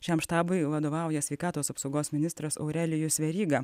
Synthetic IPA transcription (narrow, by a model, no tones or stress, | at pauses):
ʃʲɛmʃt̪ɑːbʊɪʋɐd̪oːʋɑˑʊjɛsʲʋʲɛɪkɑːt̪oːsɐpsɒʊɡoːsmʲɪnʲɪst̪ɾɐsɔ̰ʊɾʲælʲɪjʊsʋʲɛɾʲiːɡɑ